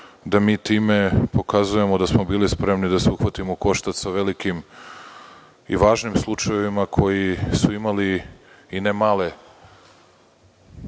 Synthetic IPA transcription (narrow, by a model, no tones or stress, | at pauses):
d̪amiːt̪iːme̞po̞kazuje̞mod̪asmo̞biːlispɾe̞mnid̪aseuxʋat̪imoko̞ʃt̪at̪saʋe̞likim | ḭʋaːʒnimslˠut͡ʃaje̞ʋimakʰo̞jisuimaliː | nemaːle̞